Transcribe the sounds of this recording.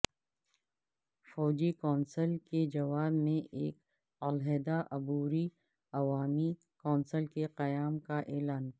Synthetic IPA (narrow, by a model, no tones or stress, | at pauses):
fɔːd͡ʒikɔːnsəlked͡ʒɐʋaːbmẽʔeːk | ɐlɦeːd̪aʔɐbuːɾi | ɐʋaːmi | kɔːnsəlkeqɐjaːmkaʔeːlaːn